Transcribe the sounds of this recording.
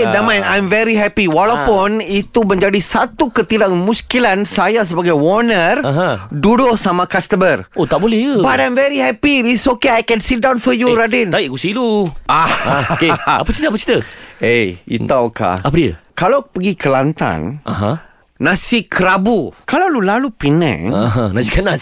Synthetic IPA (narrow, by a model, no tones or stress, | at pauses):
damãjnãjmvɛɾiɦɛpiwalawpʊnit̪umə̃ɲd͡ʒadisat̪ukət̪idanmũskilansajas̬əbaɡajwɔnərɦãdudʊhsamãkast̪əmərot̪aʔbolɛhjəbatajmvɛɾiɦɛpidisokeajkɛ̃nsit̚dãw̃nfɔjuɾadint̪aiʔkusiluʔakeapət͡ʃit̪əap̬ət͡ʃi̥t̪əejḭt̪awka̰apadiə̰kalawpəɡikʰəlant̪a̰nʔaɦãː | ãsikʰəɾabukalawlulalupinɛ̰̃ŋaɦãnãsikənas